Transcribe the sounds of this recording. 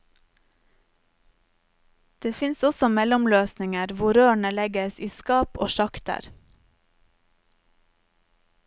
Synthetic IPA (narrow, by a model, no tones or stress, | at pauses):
d̪̥eːfɪnsɔsɔmɛlɔmløːsnɪŋəɾʋʊɾøːɳəlɛɡəsiːskɑːpo̰ːʃɑkt̪ə̰ɾ